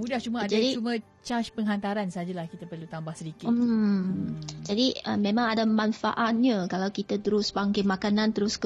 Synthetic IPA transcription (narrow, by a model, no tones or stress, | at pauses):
mudaht͡ʃumad͡ʒadit͡ʃumə̃ | t͡ʃaʃpəŋɦant̪aɾansəɦad͡ʒalahkit̪apərlut̪ambahsədikɪ | d͡ʒadiəmẽmãŋadamanfa̰ʔat̪̚ɲakalawkit̪at̪əɾʊsbaŋkamakanãnt̪əɾʊsk